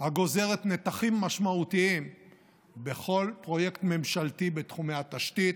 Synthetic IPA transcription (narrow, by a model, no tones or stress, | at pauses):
haɡo̞ze̞ʁet̪ne̞t̪aχimːaʃmautiim | be̞χo̞lpʁo̞je̞kt̪me̞mʃalt̪ibet̪χumeat̪aʃt̪it̪